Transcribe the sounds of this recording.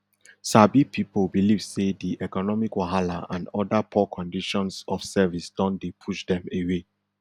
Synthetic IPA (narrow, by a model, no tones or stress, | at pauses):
sabipʰipolbilivsediʔɛkɔnɔmikwaɦala̰ãndɔdapʰɔkʰɔ̃ndiʃɔ̃nsɔfsɛvisd̥ɔ̃ndepʰuʃdɛ̃mewe